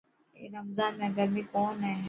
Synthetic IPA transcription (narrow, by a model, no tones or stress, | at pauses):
ḛɾɐmzaːnmẽɡɐɾmikɔːnɦɛ̃ɦ